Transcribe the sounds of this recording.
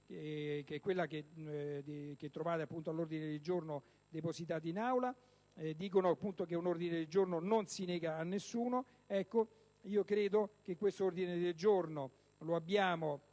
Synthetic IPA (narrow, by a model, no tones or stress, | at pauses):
kɛkːwelːake | k̟et̪ːɾovaːt̪eapːunt̪oalːord̪ined̪eld͡ʒorno | d̪eposit̪̬aːt̪̬einawla | d̪iːk̬onoapːunt̪okeunord̪ined̪eld͡ʒornononsinɛːɡaːnːesːuːno | ɛkːo | iːokɾeːd̪okekːwest̪oord̪ined̪eld͡ʒorno | loabːjaːmo